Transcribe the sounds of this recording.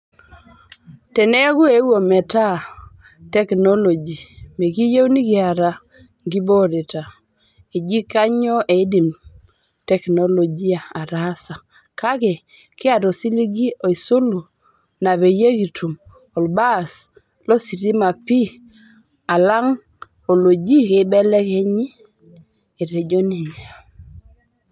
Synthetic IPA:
tɛ˨ne˦ɡu˦e˨˦wo˨mɛ˨ta˦ | tɛ˦kno˦lo˨d͡ʒi˨me˨ɡi˦je˦wni˦ɡɪ˨a˨ɾa˨ | ɡi˦bɔ˦ɾe˨ta˨ | e˨d͡ʒi˦ka˦ɲɔ˦ʔe˨˦di˨m | tɛ˦kno˦lo˨d͡ʒi˦a˨a˨ɾa˦sa˨ | ka˦ɡɛ˨ | kɪ˦a˨do˨si˦li˦ɡi˦o˨i˨so˦lu˨ | na˨βe˨je˦ɡi˨tʰu˨m | o˨lba˦˨s | lɔ˦si˨ti˦ma˨pi˦ | a˨la˦ŋ | o˨lo˨d͡ʒi˦ke˨bɛ˦lɛ˦ke˦ɲi˦ | e˨ɾe˨d͡ʒo˦ni˨ɲa˨

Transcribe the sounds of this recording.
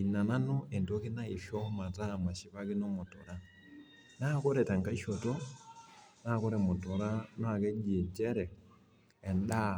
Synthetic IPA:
i˨na˨na˦no˦e˨ndoki˦na˦i˨fjo˦ma˨tama˨ʃi˨βa˦ki˦no˦mu˨to˨ɾa | nako˦ɾeta˨ŋka˦i˦ʃoto˦ | nako˦ɾemu˨to˨ɾana˨ke˦ɟi˨ɲd͡ʒeɾeː˨ | nda˦

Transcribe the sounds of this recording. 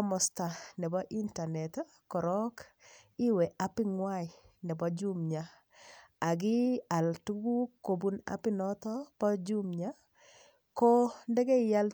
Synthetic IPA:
mɔsta˨nɛ˨ba˦ʔi˦nta˨nɛ˨t | kɔ˨ɾɔ˦k | ɪ˦wɛ˨ʔa˦pɪ˦ŋwaj | nɛ˨ba˦d͡ʒumɲa | a˨ɡɪ˦a˨ltu˦ɡu˦ko˨buna̰pɪ˦nɔt̪ɔ˦pɔ˦d͡ʒumɲa | kɔndɛ˦ɡɛ˦ɪja˦l

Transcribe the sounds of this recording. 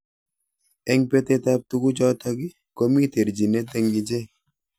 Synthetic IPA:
ɛ˦ŋpe˦t̪e˦t̪a˦p̚t̪u˦ku˦d͡ʒɔ˦t̪a˦ɡɪ˦ | ko˦mi˦t̪e˨ɾd͡ʒi˨ne˦t̪e˦ŋɡi˨d͡ʒe˦

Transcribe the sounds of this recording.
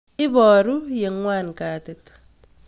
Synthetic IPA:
ɪ˦βɔ˨ɾuje˨ŋwaː˦nkaː˨tet

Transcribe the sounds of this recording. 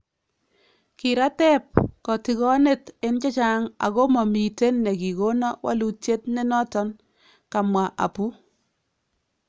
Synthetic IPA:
ki˨ɾa˦tɛ˦p̚kɔ˨ti˨kɔ˦ne˦˨tɪ˦nt͡ʃɔ˦t͡ʃa˦ŋa̰˨ko˦mɔ˨mi˨te˦nːe˨ki˨ko˦nɔ˦wa̰˦lu˨t͡ʃe˦tne˦nɔ˦tɔ˦n | ka˨mwa˨ʔa̰˨pu˦

